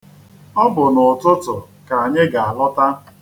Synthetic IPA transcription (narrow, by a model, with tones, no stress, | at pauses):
ɔ˦bʊ˨nʊ˨tʊ˦tʊ˨ | ka˨a˨ɲɪ˦ɡa˨a˨lʊ˦ta˦